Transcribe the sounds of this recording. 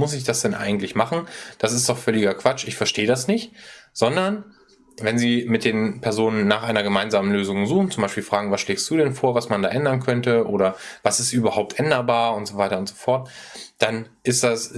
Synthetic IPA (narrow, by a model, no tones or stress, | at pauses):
mʊsɪçd̥asd̥ɛnʔa̰ɪɡŋ̩tlɪçmaχn̩d̥asɪstd̥ɔχfœlɪɡɐkv̥at͡ʃɪçfɛɐʃteːədasnɪçtz̥ɔndɐn | vɛnziːmɪt̚d̥eːnpʰɛɐzoːnənːaːχʔaɪnɐɡəmaɪnzaːmənløːzʊŋzuːχn̩t͡sʊmbaɪʃpiːlfʁ̥aːɡŋ̩vasʃleːkstd̥uːdɛnfoːɐvasmanda̰ːʔɛndɐnkʰœntəʔo̰ːɾɐvasɪstʔyːbɐhaʊp̚tʔɛndɐbaːɐʊntz̥ovaɪtɐʊntz̥ofɔɐtd̥anʔɪstd̥as